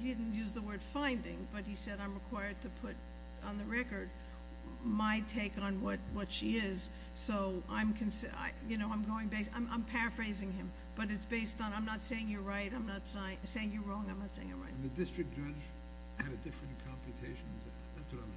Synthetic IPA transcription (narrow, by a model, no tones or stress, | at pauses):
idɪdⁿn̩tjʉzðəwɜ˞d̥fãɪ̃ndɪ̰̃ŋb̥ʌt̚hisɛɾãɪ̃mɹɨkʰw̥aɪə˞d̚tʰɨpʰʊɾ | n̩ðɨɹɛkə˞d̚ | maɪtʰeɪkn̩wʌt̚wʌtʃiɪz̥ | soʊã̰ɪ̃mkʰɨ̃nsa̰ɪjɨnoʊãɪ̃mɡoʊɪ̃ŋbeɪsã̰ɪ̃mʔã̰ɪ̃mpʰæɹɨfɹeɪzɪ̃ŋɨ̃m | b̥ʌɾɨtsb̥eɪstn̩ãɪ̃mnətseɪɪ̃ŋjəɹaɪɾãɪ̃mnətsẽseɪɪ̃ŋjəɹɔ̃ŋãɪ̃mnətseɪɪ̰̃ŋɨ̰t̚ɹa̰ɪ̃nðɨdɪstɹ̥ɨk̚d̥ʒ̥ʌd͡ʒ | ɨɾɨdɪfɹɨ̃nkʰɑ̃mpʰjɨtʰeɪʃn | ðætswʌɾãɪ̃m